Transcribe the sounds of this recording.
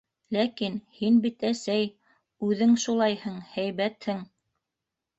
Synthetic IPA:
lækinhinbit̪æsæj | ʉðɘŋʃulˠɑjhɤɴhæjβæt̪hɘŋ

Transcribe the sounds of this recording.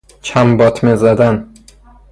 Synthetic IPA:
t͡ʃʰambɒt̪ʰmezad̪an

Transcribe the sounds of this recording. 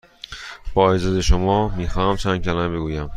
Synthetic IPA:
b̥ɒːezɒːd̪eʃomɒːmiːxɒːhæmt͡ʃʰænd̪̚cʰʲælæːmbe̞ɡuːjæm

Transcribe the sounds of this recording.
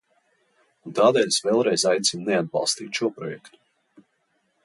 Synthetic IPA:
t̪aːd̪ɛːlʲsvɛːlˠɾɛjzajt̪sinnɛad̪̚bɑ̰lˠst̪iːt̪ʃuɔpɾɔjɛkt̪u̥

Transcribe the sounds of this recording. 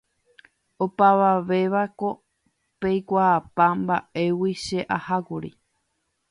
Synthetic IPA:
o̞paʋaʋe̞ʋako̞ | pejkʷaːpambaʔe̞wiʃe̞ʔahakuɾḭ

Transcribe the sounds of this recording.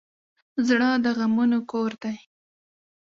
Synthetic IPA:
zɽəd̪əɣamunokoɾd̪aj

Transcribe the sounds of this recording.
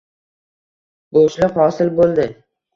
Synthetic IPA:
boʃlɪhɒsɪlbolˠd̪ɪ

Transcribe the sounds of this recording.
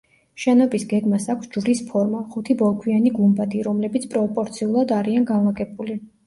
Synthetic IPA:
ʃɛnɔbisɡɛɡmasakʷʰsd͡ʒvɾispʰɔɾmaχut̪ʰibɔlˠkʰwianiɡumbad̪iɾɔmlɛbit̪sʰpʼɾɔpʼɔɾt̪sʰiulˠad̪aɾianɡanvaɡʼɛbuli

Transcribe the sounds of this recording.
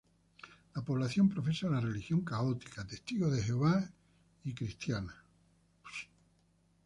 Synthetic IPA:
lapo̞β̞laθjo̞mpɾo̞fe̞salare̞lixjo̞ŋkao̞t̪ikat̪e̞st̪iɣoðe̞heoβa | ikɾist̪jana

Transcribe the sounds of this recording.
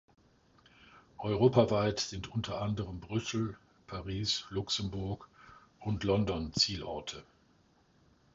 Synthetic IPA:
ʔɔʏʁoːpavaɪtz̥ɪntʔʊntʰɐʔandəʁəmbʁʏsl̩ | pʰaʁiːslʊksəmbʊɐk | ʔʊntlɔndɔnt͡siːlɔ̰ɐtʰə

